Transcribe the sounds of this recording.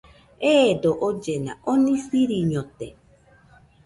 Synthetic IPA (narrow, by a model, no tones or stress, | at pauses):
edoʔod͡ʒena̰ʔonĩsiɾiɲõt̪e